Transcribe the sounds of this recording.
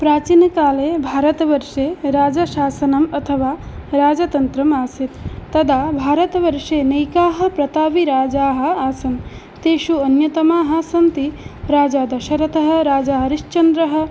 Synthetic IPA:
pɾaːt͡ʃiːnɐkaːleːbʱaːɾɐt̪ɐʋɐɾʂeːɾaːd͡ʒɐʃaːsɐnɐmɐt̪ʰɐʋaːɾaːd͡ʒɐt̪ɐnt̪ɾɐmaːsit̪ːɐd̪aːbʱaːɾɐt̪ɐʋɐɾʂeːnejkaːɦɐ̆pɾɐt̪aːʋiɾaːd͡ʒaːɦɐ̆aːsɐm | t̪eːʃuɐnjɐt̪ɐmaːɦaːsɐnt̪iɾaːd͡ʒaːd̪ɐʃɐɾɐt̪ɐɦɐ̆ɾaːd͡ʒaːɦɐɾiʃt͡ʃɐnd̪ɾɐɦɐ̆

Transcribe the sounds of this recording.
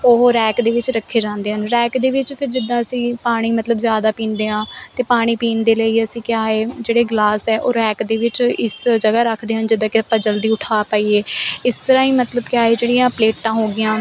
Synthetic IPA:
oɦɾɛːkd̪eːʋɪt͡ʃɾəkʰːeːd͡ʒãːnd̪eːɦənɾɛːkd̪eːʋɪt͡ʃpʰɪɾd͡ʒɪd̪ːãːəsĩːpaːɽ̃iːmət̪ləbzjaːd̪aːpĩːnd̪eːɦãːt̪eːpaːɽ̃iːpiːnd̪eːləiːəsĩːkjaːeːd͡ʒeːɽeːɡlaːsɛːʔoːɾɛːkd̪eːʋɪt͡ʃɪsd͡ʒəɡaːɾəkʰd̪eːɦənd͡ʒɪd̪ãːkɪpəd͡ʒəld̪iːʊʈʰaːpaːiːeːɪst̪əɾãːiːmət̪ləbkɪjaːeːd͡ʒeːɽɪjãːpleːʈːãːɦoːɡɪjãː

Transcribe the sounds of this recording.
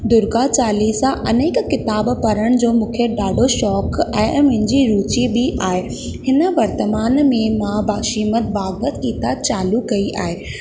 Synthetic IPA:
d̪ʊɾɡat͡ɕaːliːsãʔɐneːkːɪt̪aːbpɐɾəɽ̃d͡ʑoːmũːkʰeɖaːɖʱoʃɔːkɛ̃ːmʊ̃ɦɪ̃ɲd͡ʑiɾuːt͡ɕibɪʔaːɦe | hɪnə̆ʋɐɾt̪əmaːnmẽmãbaːʃiːmət̪̚baːɡbət̪kiːt̪aːt͡ɕaːlukɐiʔa̰ːɦeː

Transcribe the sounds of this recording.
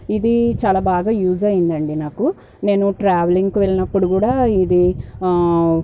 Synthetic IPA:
id̪it͡ʃaːlaːbaːɡaːjuːzɐjind̪ɐɳɖinaːku | ne̞ːnuʈɾaːʋeliŋɡkuʋe̞ɭinɐpːuɽukuːɽaːid̪i

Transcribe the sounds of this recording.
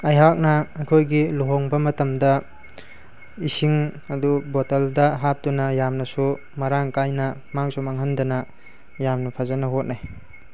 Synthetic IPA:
ɐjɦak̚nɐːkʰojɡiluɦoŋbɐmɐtɐmdɐ | isiŋ | ɐdubotɐldɐɦap̚tunɐjamnɐsu | mɐɾaŋkajnɐ | maŋsumaŋɦɐndɐnɐ | jamnɐpʰazanɐɦot̚naj

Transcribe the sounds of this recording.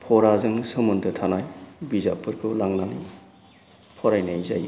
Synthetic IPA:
pʰɔɾazɯŋsɯmuntʰɯtʰanajbiza̰pʰɯɾkʰɯlaŋnali | pʰɔɾajnajza̰j

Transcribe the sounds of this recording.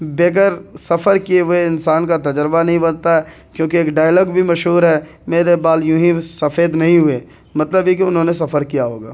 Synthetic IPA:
beːk̬əɾsɐfʰəɾkieʋeɪnsaːnkat̪ɐd͡ʒɾbanɐɦĩbɐnt̪aɦɛː | kjõːkieːkɖaːjəlɔːɡbʱimɐʃɦuːɾɦɛː | meːɾebaːljʊɦĩsɐfeːd̪nɐɦĩɦʊeː | mɐt̪ləbɦjikeʊnɦõːnesɐfəɾkijaɦoːɡa̰ː

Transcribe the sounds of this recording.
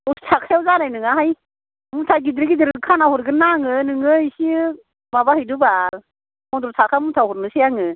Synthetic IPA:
ustʰakjawzanajnɯŋaɦaj | mutʰaɡidɾɡidɯɾkʰanahɔɾɡɯnaŋɯnɯŋɯisi | mabahɯjduba | mɔdɔɾtʰakʰamutʰahɔɾnɯsijaŋɯ

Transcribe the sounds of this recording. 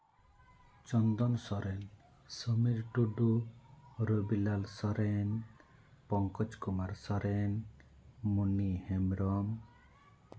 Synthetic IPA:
t͡ʃɔnd̪ɔnsɔɾɛn | səmiɾʈuɖu | ɾəbilalsɔɾen | pɔŋkɔt͡ʃkumaɾsɔɾɛn | munihɛmɾɔm

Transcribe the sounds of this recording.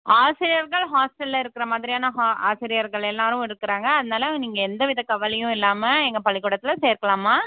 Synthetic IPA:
aːsɪɾɪjɐɾɣɐɭɦaːsʈɛlːɐɪɾɯkːɪɾɐmaːðɪɾijaːnɐɦaːa̰ːsɪɾɪjɐɾɣɐɭɛlːaːɾʊ̃ɪɾɯkːɪɾaːŋɡɐːðɐnaːlɐniːŋɡɐɛnd̪ɐʋɪðɐkɐʋɐlɐjʊ̃ɪlːaːmɐɛŋɡɐpɐɭɪkːuːɽɐt̪ːɪlɐseːɾkɐɭaːmaː

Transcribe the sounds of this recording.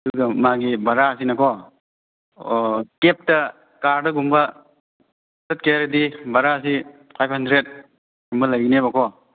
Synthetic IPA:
duɡɐmaɡibɐɾas̬inɐkɔ | kep̚tɐ | kaɾdɐɡumbɐ | sɐt̚keɾɐdibɐɾaɐsi | pʰajp̚hɐndɾet̚ | ɡumbɐlajɡinebɐkʰɔ

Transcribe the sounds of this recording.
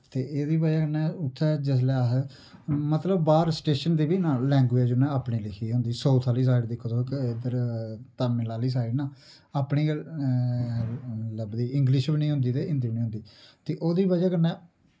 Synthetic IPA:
t̪eːʔeːd̪iːbəd͡ʒɛːkənɛːʊt̪ʰːɛːd͡ʒes̬lɛːaɦ | mət̪ləbbaːɾsʈeːʃənd̪iːbiːnãːlɛ̃ːŋɡuɛːd͡ʒonɛ̃ːaːpɳiːlɪkʰiːɦʊ̃nd̪iːsɔːt̪ʰaːliːs̬aːɪɖd̪ɪkʰːoːt̪okːd̪əɾt̪aːmɪ̃laːliːs̬aːɪɖnãː | aːpɳiː | ləbd̪iːɪŋɡlɪʃbinĩːɦʊ̃nd̪iːt̪eːɪnd̪iːbinĩːɦʊ̃nd̪iːt̪eːʔoːd̪iːbəd͡ʒɛːkənːɛː

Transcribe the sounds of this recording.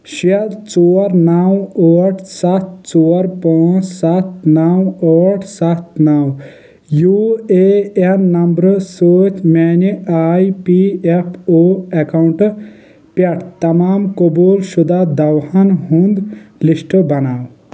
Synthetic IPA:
ʃiɐd̪t͡soːɾnawɔːʈʰsɐt̪̚t͡ʃoːɐɾpaːt͡ʃsɐt̪̚nawɔːʈʰsɐt̪nɐw | juːeenːɐmbɾsoːt͡ʃmɛːniaːipiepʰoːekawɳʈ | pɐʈʰt̪ɐmaːmkobuːlʃud̪ad̪ɐwhɐnɦũnd̪lisʈbɐnaːw

